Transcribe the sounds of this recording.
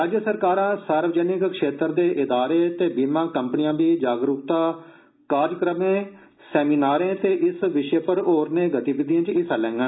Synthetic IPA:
ɾaːd͡ʒjəsəɾkaːɾãːsəɾʋəd͡ʒɛːnɪkkʃeːt̪əɾd̪eːʔɪd̪aːɾeːt̪eːbiːmãːkəmpnɪjãːbiːd͡ʒaːɡɾʊkt̪aː | kaːɾd͡ʒkɾəmẽː | sɛːmiːnaːɾẽːt̪eːʔɪsʋɪʃeːpəɾoːɾnẽːɡət̪iːʋɪd̪ijãːt͡ʃɪsaːlɛ̃ːŋɡãː

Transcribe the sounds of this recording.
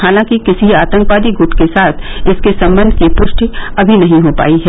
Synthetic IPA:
haːlãːkikɪsiaːt̪ə̃ŋkʋaːd̪iɡʊʈkesaːt̪ʰɪskesɐ̃mbə̃nd̪ʱkipʊʃʈiɐbʱinɐɦĩɦopa̰ːiɦɛː

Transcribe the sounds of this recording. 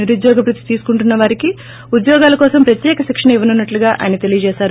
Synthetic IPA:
iɾud̪jɔːɡɐpɾut̪ːit̪iːsu̥kuɳʈunːɐʋaːɾiki | ud̪jɔːɡaːlɐkɔːsɐmpɾɐt̪jɛːkɐʃikʂɐɳɐiʋɐnunːɐʈluɡaːʔa̰ːjɐnɐt̪e̞lijɐt͡ʃɛːʃaːɾu

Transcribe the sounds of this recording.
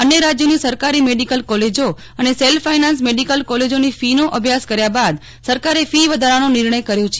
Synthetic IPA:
ənjəɾad͡ʒjonisəɾkaɾimeɖikəlkɔled͡ʒo | əneselfainãns̬meɖikəlkɔled͡ʒonifinoʔəbʱjaskəɾjabad̪ | səɾkaɾefiʋəd̪ʱaɾanonɪɾɳəjkəɾjot͡ʃʰe

